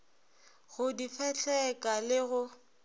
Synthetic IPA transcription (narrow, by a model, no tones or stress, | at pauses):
ɣʊdifɛt͡ɬʰʼɛkʼalɪɣʊ